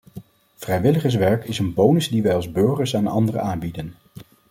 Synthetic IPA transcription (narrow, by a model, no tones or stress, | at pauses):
v̥rɛjʋɪləχəs̬ʋɛɹkɪsənbownəzdiʋɛjɑlˠzbøɹχəɹsaːnɑ̰ndərə̰aːmbidən